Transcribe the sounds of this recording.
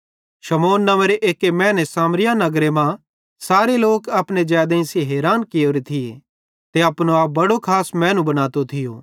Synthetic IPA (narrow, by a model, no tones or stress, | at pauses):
ʃɐmoːnːɐməɾeʔeːkemɛ̃ːnɛsaːmɾɪjanɐɡɾemã | saːɾeloːkɐpned͡ʒaːd̪ẽsiɦeːɾaːnkɪjoːɾit̪ʰɪe | t̪eɐpnoaːp̚bɐɽokʰaːsmɛ̃ːnũbɐñaːt̪ot̪ʰɪjoː